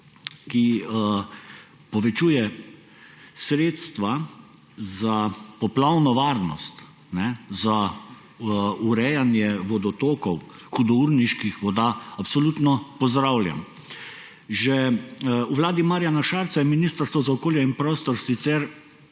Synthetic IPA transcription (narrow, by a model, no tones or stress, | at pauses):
ki | pɔʋɛt͡ʃuːjɛ | sɾeːt̪st̪ʋa | zapɔplawnɔʋaːɾnɔ̰st̪ | nɛza | uɾɛjanjɛʋɔd̪ɔt̪oːkɔw | xud̪ɔuɾniʃkixʋɔd̪aːapsɔlut̪nɔpɔzd̪ɾawlja̰m | ʒɛ | uʋlaːd̪imaɾjanaʃaɾt̪sajɛminist̪əɾst̪ʋɔzaɔkoːljɛinpɾɔːst̪ɔɾsit̪sɛɾ